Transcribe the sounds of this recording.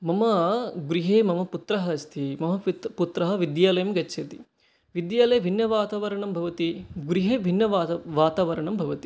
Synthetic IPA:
mɐmɐɡuɾiɦeːmɐmɐput̪ɾɐɦɐɐst̪ʰimɐmɐput̪ɾɐɦɐ̆ʋid̪jaːlɐjɐmɡɐt͡ʃːʃʰɐt̪i | ʋid̪jaːlɐjbʱinːɐʋaːt̪aːʋɐɾɐɳɐmbʱɐʋɐt̪iɡuɾiɦeːbʱinːɐʋaːt̪aːʋɐɾɐɳɐmbʱɐʋɐt̪i̥

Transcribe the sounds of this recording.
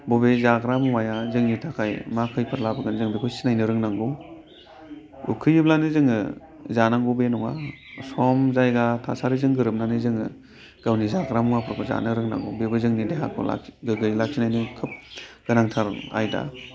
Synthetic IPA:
bɔbezaɡɾamuŋajazɯŋnitʰakʰajmakʰɯjpʰɯɾlabaɡɯnzɯŋbikʰujsinajnɯɾɯŋnaŋɡɔ | ukʰɯjɯblanɯzɯŋɯ̰ | zanaŋɡubenɔŋa | sɔmzajɡatʰa̰saɾizɯŋɡɯɾɯp̚nanɯzɯŋɯ̰ | ɡ̥awnizaɡɾamuŋapʰɯɾkʰɔza̰nɯɾɯŋna̰ŋɡɔ̰bebɯzɯŋnideɦa̰kʰɔ̰la̰ɡɯɡɯjlak̚sinajnɯkʰɯp̚ɡ̥ɯnaŋtʰaɾa̰jda̰

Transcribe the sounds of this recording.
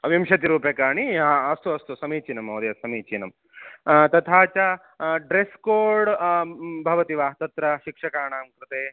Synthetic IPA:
ʋimʃɐt̪iɾuːpjekaːɳiɐst̪uɐst̪usɐmiːt͡ʃinɐmɐwd̪ɐjɐsɐmiːt͡ʃinɐm | t̪ɐt̪ʰaːt͡ʃɐ | ɖɾeskoːɾɖ | bʱɐʋɐt̪iʋaːɦt̪ɐt̪ɾɐʃikʂɐkaːɳaːmkɾɨt̪eː

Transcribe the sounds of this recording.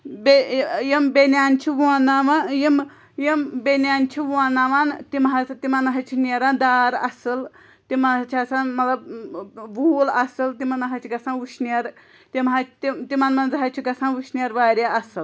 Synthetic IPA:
bejimbenʲaːnʲt͡ʃʰiʋuanaʋajim | jimbenʲaːnʲt͡ʃʰiʋuaːnaʋant̪imɦɐt̪imɐnɦɐt͡ʃʰinɐɾaːnd̪aːɾɐ̰sɨl | t̪imɐt͡ʃʰiɐsanmɐt̪lɐb̚ʋuːlɐsɨlt̪imɐnɐɦɐt͡ʃʰiɡɐsãnuʃniɐɾ | t̪imɦɐt͡ʃʰt̪it̪imɐnmɐnzɐɦɐt͡ʃʰiɡɐsaːnʋuʃnʲɐɾʋaːɾʲjaɐsɨl

